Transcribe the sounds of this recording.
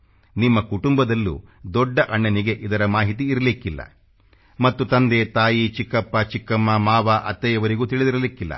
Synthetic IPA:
nimːɐkuʈumbɐd̪ɐlːṵd̪ɔɖːɐʔɐɳːɐniɡe̞ʔid̪ɐɾɐmaːɦit̪̬iːɾɐlikːilːɐ̰ | mɐt̪ːut̪ɐnd̪et̪aːjit͡ʃikːɐpːat͡ʃikːɐmːamaːʋaʔɐt̪ːɛjɐʋɐɾiɡuːt̪iɭid̪iɾɐlikːilːɐ̰

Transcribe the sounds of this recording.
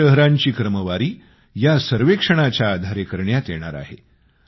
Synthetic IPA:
əɦɾaɲt͡ɕiːkɾəməʋaɾiː | jasəɾʋekʂəɽ̃at͡ɕjaːd̪ʱaɾekəɾɳjat̪jeɽ̃a̰ɾa̰ɦḛ

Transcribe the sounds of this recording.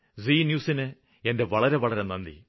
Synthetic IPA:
ziːnjuːsinɨ | e̞nde̞ʋɐɭɐɾe̞ʋɐɭɐɾenɐnd̪ḭ

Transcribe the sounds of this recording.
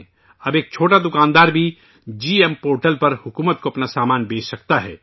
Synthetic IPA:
ɐbeːk̚t͡ʃʰoːʈad̪ʊkaːnd̪aːɾbʱi | d͡ʒiːempoːɾʈəlpɐɾhʊkuːmət̪̚koɐpnasaːmaːnbeːssɐkt̪aɦɛ̰ː

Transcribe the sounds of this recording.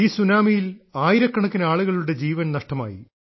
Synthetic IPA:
iːsunaːmijilaːjiɾɐkːɐɳɐkːinɐaːɭuɣɐɭuɽe̞d͡ʑiːʋɐnnɐʂʈɐma̰ːjḭ

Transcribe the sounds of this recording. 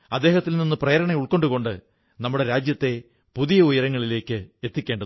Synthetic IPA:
ɐd̪ːe̞ːɦɐt̪ːilninːɨprɐjɐɾɐɳeuɭko̞ɳɖuɣko̞ɳɖɨ | nɐmːuɽeɾaːd͡ʑjɐt̪ːe̞ | puðijɐujɐɾɐŋːɐɭile̞ːkːɨet̪ːikʲːe̞ːɳɖɐ

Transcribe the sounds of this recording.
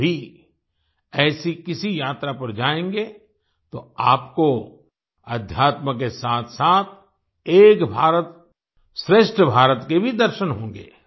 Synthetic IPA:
i | ɛːsikɪsijaːt̪ɾapɐɾd͡ʒaːẽːŋɡe | t̪oaːpko | ɐd̪ʱjaːt̪mək̬esaːt̪ʰsaːt̪ʰ | eːkbʱaːɾət̪ | sɾeːʃʈɾəbʱaːɾət̪kebʱid̪ɐɾʃənɦõːŋ̆ɡḛː

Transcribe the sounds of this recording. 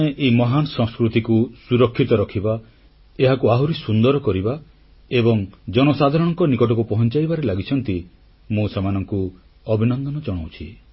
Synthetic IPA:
eʔemɔɦanɔsɔ̃ŋskɾut̪ikusuɾɔkʰːit̪ɔɾɔkʰiba | eɦakuaɦuɾisund̪ɔɾɔkɔɾiba | ebɔŋd͡ʒɔñɔsad̪ʱaɾɔɽ̃ɔŋkɔnikɔʈ̬ɔkupɔɦɔnt͡ʃajbaɾelaɡit͡ʃʰɔnt̪i | mũsemanɔŋku | ɔbʱinɔnd̪ɔnɔd͡ʒɔɽ̃awt͡ʃʰi

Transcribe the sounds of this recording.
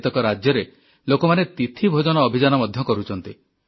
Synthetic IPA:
t̪ɔkɔɾad͡ʒjɔɾe | lokɔmanet̪it̪ʰibʱod͡ʒɔnɔːbʱid͡ʒanɔmɔd̪ʱjɔkɔɾut͡ʃʰɔnt̪i

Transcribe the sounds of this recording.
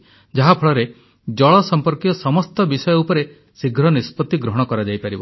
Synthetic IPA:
d͡ʒaɦapʰɔɭɔɾe | d͡ʒɔɭɔsɔmpɔɾkijɔsɔmɔst̪ɔbisɔjɔupɔɾe | siɡʱɾɔnispɔt̪ːiɡɾɔɦɔɽ̃ɔkɔɾad͡ʒajpaɾibɔ̰

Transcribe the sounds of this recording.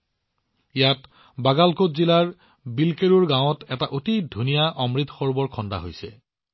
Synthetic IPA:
jat | baɡalkotzilaɹ | bilkeɹuɹɡãw̃ɔtɛtaʔotidʱunijaʔɔmɹit̪ʰxɔɹbɔɹkʰɔnda̰ɦojsɛ̰

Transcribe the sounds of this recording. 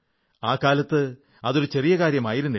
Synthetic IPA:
aːkːaːlɐt̪ːɨ | ɐðo̞ɾut͡ɕe̞rijɐɣaːɾjɐmaːjiɾunːɐ

